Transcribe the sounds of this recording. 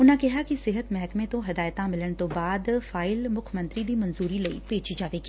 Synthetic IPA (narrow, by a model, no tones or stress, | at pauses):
ʊnãkɛɦakisɪɦət̪mɛɦkmẽt̪õɦɐd̪aːjt̪ãmɪləɽ̃t̪obaːd̪faːɪlmʊkʰmə̃nt̪ɾid̪imɐnzuːɾilɐḭpeːt͡ʃid͡ʒaːʋeːki